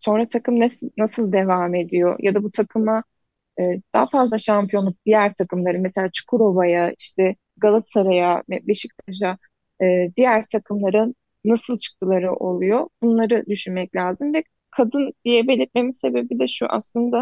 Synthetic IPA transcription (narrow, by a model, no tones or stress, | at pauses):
so̞nɾat̪ʰakɯmnɛsnasɯlˠd̪e̞vame̞d̪ijo̞̰jad̪abut̪ʰakʰɯma | ɯːd̪̥aːfazlˠaʃampʰijo̞nˠup̚d̪̥ijæɾt̪ʰakɯmlˠaɾɯmeselʲaːt͡ʃʰu̥kʰuɾo̞bajaiʃt̪ʰɛ | ɡalˠasaɾajamɛbeʃic̚t̪ʰaʒa | ɯːd̪ijæɾt̪ʰakʰɯmlˠaɾɯ | nasɯlˠt͡ʃʰɯ̥k̚t̪ʰɯlˠaɾɯʔo̞lˠujob̥unlˠaɾɯd̪yʃynmɛclʲaːzɯmvɛ | kʰad̪ɯnd̪̥ijɛbe̞lʲiɾt̪̚me̞mise̞be̞bid̪ɛʃṵʔa̰slˠɯnd̪a